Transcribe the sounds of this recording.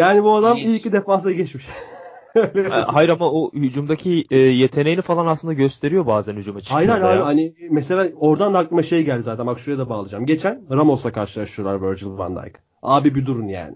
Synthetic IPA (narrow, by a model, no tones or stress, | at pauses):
jaːnibuad̪amijiid̪efaːs̬d̪aɡɛt͡ʃmiʃ | lɛhajiɾamaohyd͡ʒumd̪acʰiɛːje̞t̪ʰe̞nejinifalˠanasˠɯnd̪aɟøst̪ʰe̞ɾijo̞baːzænhyd͡ʒumat͡ʃʰhajɾhaajɦanimɛse̞lʲaːo̞ɾd̪and̪ak̚lˠɯmaʃe̞jɟælʲd̪ʲizaːt̪ʰænbakʃuɾjad̪ɛbaːlˠɯd͡ʒamɟe̞t͡ʃʰænɾamo̞sakʰaɾʃɯlˠaʃt̪ɯjolˠaɾvøɾd͡ʒɯlva̰nd̪a̰jk | aːbibid̪uɾunja̰ːnɪ